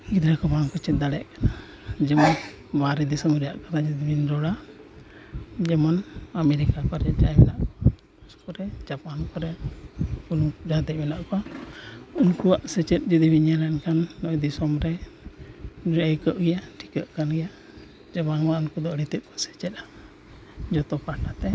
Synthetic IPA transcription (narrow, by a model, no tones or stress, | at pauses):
ɡid̪ɾakɔbaŋkɔt͡ʃɛt̪̚d̪aɽɛjaʔkana | d͡ʒɛmɔn | baɾɛd̪isɔmɾɛjaʔkat̪ad͡ʒid̪ibinɾɔɽa | d͡ʒɛmɔnamɛɾikakɔɾɛd͡ʒajmɛnaʔkɔɔɔskɔɾɛd͡ʒapankɔɾɛ | unud͡ʒad̪ɛʔmɛnaʔkɔ | unkuwaʔsɛt͡ʃɛt̪̚ˀd͡ʒəd̪ibiɲjalɛnkanːɔjd̪isɔmɾɛ | ɾəjkəʔɡɛjaʈʰi̥kəʔkanɡɛja | d͡ʒabanaʔunkud̪ɔəɽit̪ɛt̪̚kɔsɛ̥t͡ʃɛt̪̚a | d͡ʒɔt̪ɔpaʈat̪ɛ